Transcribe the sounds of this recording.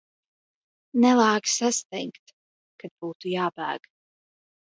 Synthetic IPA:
nɛlˠaːksast̪ɛjkt̪ | kad̪̚buːt̪ujaːbæ̰ːɡ̥

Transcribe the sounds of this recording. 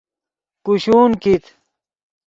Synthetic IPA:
kuɕuːnkit̪

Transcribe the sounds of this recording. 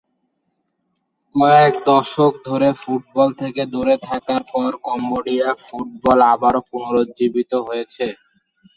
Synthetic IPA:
ɔɛkd̪ɔʃok̚d̪ʱoɾefuʈ̚bɔlt̪ʰeked̪uɾet̪ʰakaɾpɔɾkɔmboɖijafuʈ̚bɔlabaɾopunoɾod͡ʑibit̪oɦojet͡ɕʰe

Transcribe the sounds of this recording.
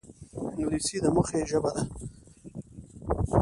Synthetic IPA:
nulisid̪əmuxeʒəbad̪a

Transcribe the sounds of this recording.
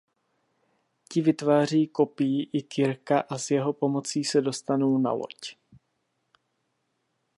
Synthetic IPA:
cɪvɪt̪vaːr̝iːko̞pɪjiʔɪkɪɾkaʔazjɛɦo̞po̞mo̞t͡siːsɛdo̞st̪anowna̰lo̞̰c

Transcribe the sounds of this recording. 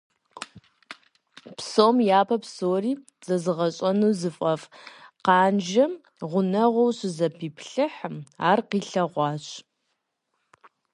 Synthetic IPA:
psoːmjaːpʰɐpsoːriː | z̥ɐzɨʁɐɕʼɐnuːzɨfʼɐfqɑːnd͡ʒɐ | ʁʷʊnɐʁʷɔwɕɪzɐpʰiːpʰɬɨħmaːrqiːɬɐʁʷɑːɕʼ

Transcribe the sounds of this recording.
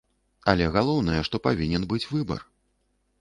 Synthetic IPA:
alʲɛɣalˠɔwnɐjɛʂt̪ɔpavʲinʲɛnbɨt͡sʲvɨbɐ̰r

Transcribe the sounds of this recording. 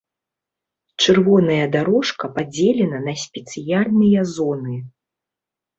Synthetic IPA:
t͡ʂɨrvɔnɐjɐd̪aɾɔʂkɐpad͡zʲelʲɛnɐnɐsʲpʲɛt̪sɨjalʲnɨjɐzɔnɨ

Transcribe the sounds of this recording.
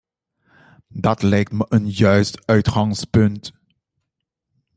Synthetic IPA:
dɑtlɛjk̚tməʔənjœɥstœɥtχɑŋspɵnt

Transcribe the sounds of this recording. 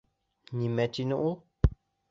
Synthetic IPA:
ɲĩmɛ̃tinũʔu

